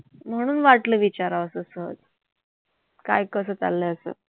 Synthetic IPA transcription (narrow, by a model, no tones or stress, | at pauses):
m̤əɽ̃uːnʋaʈləːʋit͡ɕaɾaəsəːsəɦə̰d͡z | ka̰jkəs̬əːt͡sa̰lːəəsə̰ː